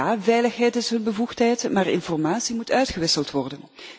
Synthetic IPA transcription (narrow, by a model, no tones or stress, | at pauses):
aːvɛjləxɦɛjtɪsɦɵnbəvuxtɦɛjtmaːrɪ̰nfɔrmaːtsimutœɥtxəʋɪsəlˠtʋɔrdən